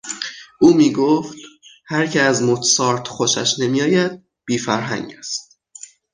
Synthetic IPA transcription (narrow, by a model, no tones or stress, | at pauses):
ʔuːmiːɡoːft̪hæɾcʰeæzmot̪sɒːɾt̪xoʃæ̰ʃnemiːjɒːjæd̪̚ | b̥iːfæɾɦæ̰ŋɟæst̪